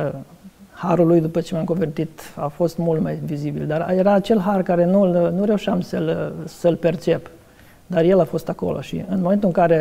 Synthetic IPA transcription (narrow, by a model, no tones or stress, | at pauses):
haɾulujd̪upət͡ʃe̞mamkovert̪it̪afo̞st̪mult̪majvizibild̪arje̞ɾaːt͡ʃe̞lɦarkaɾe̞nulnuɾe̞uʃamsəlsəlpe̞rt͡ʃe̞p | d̪arje̞lafo̞st̪ako̞̰lo̞̰ʃḭɨnmoment̪uɨŋkaɾe̞